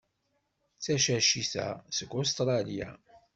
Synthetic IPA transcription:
t͡sːæʃæʃiθæ̰səɡost̪ɾˤɑlja̰

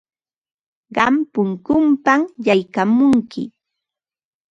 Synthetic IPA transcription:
ɢɑmpʊŋkʊmpaŋjajkamʊŋkɪ̰

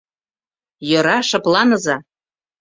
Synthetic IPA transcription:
jɤ̆ɾɑʃɤ̆plˠɑnɤ̆zɑ

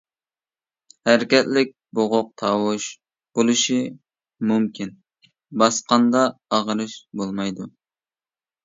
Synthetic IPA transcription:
hæɾɪkʲɛt̪lɪk̚ʲboʁʊq̚t̪ʰɑːwʊʃ | b̥olˠuʃi | mumkʲʰin | bɑsqɑnd̪ɑːʁəɾɨʃbolˠmɑjd̪u

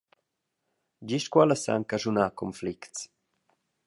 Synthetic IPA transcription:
d͡ʒiʃkwaləsa̰ŋkaʒunakɔmflikts

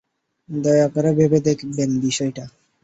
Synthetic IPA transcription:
d̪ɔjakɔɾebʱebed̪ekʰbenbiʃɔjʈa

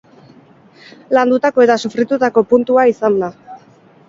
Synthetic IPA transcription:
land̪ut̪ako̞e̞t̪asufɾit̪ut̪ako̞punt̪uaisand̪a

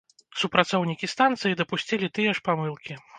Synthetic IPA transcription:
supɾat̪sɔwnʲikʲist̪ant̪sɨjid̪ɐpusʲt͡sʲɛlʲit̪ɨjɐʂpamɨlˠkʲi

